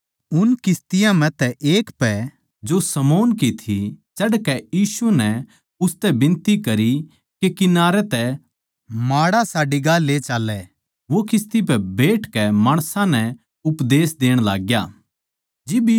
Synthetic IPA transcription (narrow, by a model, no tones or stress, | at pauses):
ʊnkɪst̪ɪjãmɛ̃t̪ɛʔeːkpɛ | d͡ʒosɐmoːnkit̪ʰit͡ʃɐɽkɛjiːsunɛ | ʊst̪ɛbɪ̃nt̪ikɐɾi | kekɪnaːɾɛt̪ɛ | maːɽasaːɖiɡaleːt͡ʃaːlɛ | ʋokɪs̬t̪ip̬ɛbeːʈkɛmaːɽ̃sãnɛ | ʊpd̪eːsd̪eːɽ̃la̰ːɡjaː | d͡ʒɪb